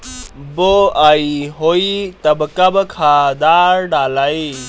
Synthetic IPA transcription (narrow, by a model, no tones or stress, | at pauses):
boːaːiɦoːit̪ɐbkɐbkʰaːd̪aːɾɖaːlaːi